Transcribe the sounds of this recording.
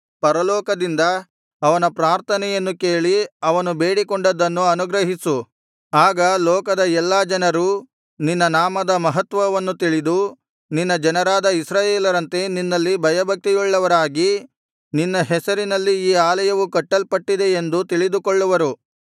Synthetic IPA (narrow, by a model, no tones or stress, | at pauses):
pɐɾɐlɔːkɐd̪ind̪ɐ | ɐʋɐnɐpɾaːɾt̪ʰɐnɛjɐnːukeːɭiɐʋɐnube̞ːɽikɔɳɖɐd̪ɐnːuɐnuɡɾɐɦisu | aːɡɐlɔːkɐd̪ɐɛlːaːd͡ʒɐnɐɾu | ninːɐnaːmɐd̪ɐmɐɦɐt̪ʋɐʋɐnːut̪iɭid̪u | ninːɐd͡ʒɐnɐɾaːd̪ɐisɾaːjeːlɐɾɐnt̪e̞ninːɐlːibʱɐjɐbʱɐk̚t̪ijuɭːɐʋɐɾaːɡi | ninːɐɦɛsɐɾinɐlːiiːaːlɐjɐʋukɐʈːɐlpɐʈːid̪e̞ːnd̪ut̪iɭid̪ukɔɭːuʋɐɾu